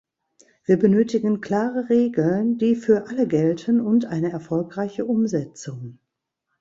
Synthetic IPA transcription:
v̥iːɐbənøːtɪɡənkl̥aːʁəʁeːɡl̩ndiːfyːɐʔaləɡɛltʰənʊntʔaɪnəɛɐfɔlkʁ̥aɪçəʔʊmzɛt͡sʊŋ

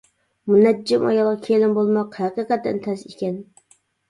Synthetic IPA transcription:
munɛd͡ʒːɪmɑ̰jɑlˠʁɑkʲʰelɪmbolˠmɑqhæqiːqɛt̪ːɛ̰nt̪ʰɛsikʲɛn

